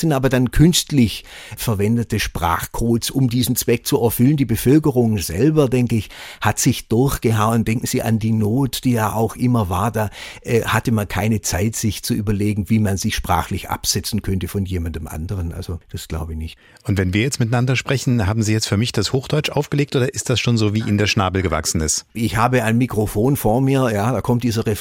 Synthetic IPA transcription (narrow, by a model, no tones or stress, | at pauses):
z̥ɪntʔaːbɐdankʰʏnstlɪç | fɛɐvɛndətəʃpʁ̥a̰ːχkʰoːsʔʊmdiːzn̩t͡sv̥ɛk̚t͡suɛɐfʏləndiːbəfœlkəʁʊŋz̥ɛlbɐdɛŋkəɪçhatz̥ɪçd̥ʊɐçɡ̥əɦaʊənd̥ɛŋkŋ̩z̥iːʔa̰ndiːnoːtd̥iːjaːʔaʊxʔɪmɐvaːɐdaːʔɛhatəmankʰaɪnət͡saɪtz̥ɪçt͡suʔyːbɐleːɡŋ̩viːmanzɪçʃpʁ̥a̰ːxlɪçʔa̰pz̥ɛt͡sn̩kʰœntəfɔnjeːmandəmʔa̰ndəʁənʔa̰lz̥od̥asɡ̥la̰ʊbɪçnɪçt | ʔʊntvɛnviːɐjɛt͡stmɪtanandɐʃpʁ̥ɛçn̩haːbm̩ziːjɛt͡stfyːɐmɪçd̥ashoːxd̥ɔʏt͡ʃʔaʊfɡ̥əleːk̚tʔoːdɐʔɪst̚d̥asʃoːnzoːviːʔɪndeːɐʃnaːbl̩ɡəva̰ksn̩ɪstʔɪçhaːbəaɪnmikʁ̥ofoːnfoːɐmiːɐjaːdaːkʰɔmtd̥iːzɐʁɛ